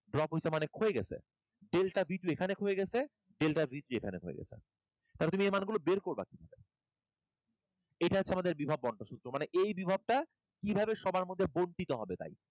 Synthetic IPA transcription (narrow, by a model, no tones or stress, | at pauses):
ɖɾɔpoisamanekʰoeɡɛ̰t͡ɕʰḛ | ɖelʈabʱiʈuekʰanekʰoeɡɛt͡ɕʰe | ɖelʈabʱit̪uekʰanekʰoḛɡɛ̰t͡ɕʰḛ | t̪alet̪umiejmanɡulobeɾkoɾba̰kibʱabe | ejʈaɦotːt͡ɕʰːeamad̪eɾbibʱabːɔɳʈoʃut̪ːɾomaneʔejbibʱab̚ʈa | kibʱabeʃɔbaɾmod̪ʱːebonʈit̪oɦɔbet̪a̰j